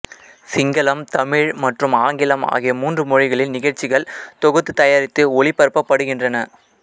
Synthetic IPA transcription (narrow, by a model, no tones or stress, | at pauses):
sɪŋɡɐlɐmt̪ɐmɪɻmɐʈrɯmaːŋɡɪlɐma̰ːɣɪɐmuːndrɯmɔɻɪɣɐɭɪlnɪɣɐɻt͡ʃːɪɣɐɭt̪ɔɣɯt̪ːɯt̪ːɐjaːɾɪt̪ːɯɔɭɪpːɐɾpːɐpːɐɽɯɣɪndrɐnɐ